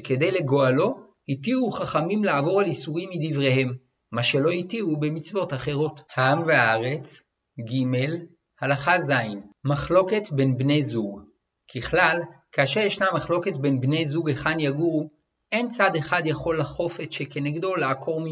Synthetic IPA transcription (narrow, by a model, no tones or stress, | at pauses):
ke̞d̪ejle̞ɡo̞alo̞ | hitiuχaχamimlaːvo̞ʁalisuʁimːid̪ivʁe̞he̞mː | aʃe̞lo̞hitiube̞mit͡svo̞taχe̞ʁo̞thaamveaaʁe̞t͡s | ɡime̞l | halaχazainmaχlo̞ke̞tbe̞nbne̞jzuɡ | kiχlalkaːʃe̞ʁjeʃnamaχlo̞ke̞tbe̞nbnejzuɡeχanjaɡuʁu | ʔe̞nt͡sad̪e̞χad̪jaχo̞lːaχo̞fetʃeke̞neɡdo̞laːkʰo̞ʁmi